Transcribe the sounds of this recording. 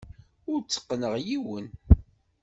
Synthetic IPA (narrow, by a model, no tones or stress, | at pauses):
ʊɾt͡sːə̥qːnəʁjiwən